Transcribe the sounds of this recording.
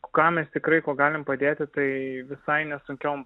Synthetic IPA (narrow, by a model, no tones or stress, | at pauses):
kɑːmʲɛst̪ʲɪkɾɐɪkoːɡɑːlʲɪmpɐd̪ʲeːt̪ʲɪt̪ɐɪʋʲɪsɐɪnʲɛsʊŋʲkʲɛʊm